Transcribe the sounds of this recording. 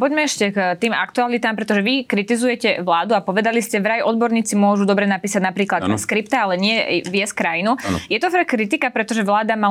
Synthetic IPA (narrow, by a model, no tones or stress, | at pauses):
pɔɟmɛɛʃcɛkt̪iːma̰kt̪ualit̪aːmpɾɛt̪ɔʒɛʋikɾit̪izujɛcɛʋlaːd̪uapɔʋɛd̪aliscɛʋɾajʔɔd̪̚bɔɾɲiːt͡simʊɔʒud̪ɔbɾɛnapiːsaɟnapɾiːklat̪ːaskɾipt̪aalɛɲɪɛʋjɛskɾajinujɛt̪ɔfakɾit̪ikapɾɛt̪ɔʒɛʋlaːd̪ama